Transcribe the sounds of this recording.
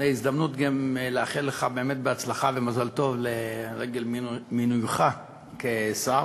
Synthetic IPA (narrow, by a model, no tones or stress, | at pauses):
neizd̪amnut̪ɡamleaχilːeχabe̞ːmet̪beat͡slaχavemazalt̪o̞vleʁeɡe̞lmminujχa | kesa